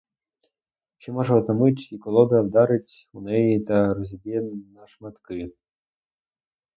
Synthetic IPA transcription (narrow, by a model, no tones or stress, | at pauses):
t͡ʃɔmɔʒɐɔt̪ɐmɪtʲikɔlˠɔd̪ɐwd̪ɑɾɪtʲunɛjit̪ɐɾɔzʲibʲɛnɐʂmɐt̪kɪ